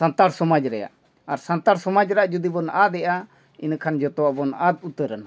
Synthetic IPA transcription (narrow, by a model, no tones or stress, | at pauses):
ant̪aɽsɔmad͡ʒɾɛja̰ʔ | aɾsant̪aɽsɔmad͡ʒɾaʔd͡ʒud̪ibɔnad̪ɛʔa | inkʰand͡ʒɔt̪ɔwabɔnad̪̚ut̪əɾəna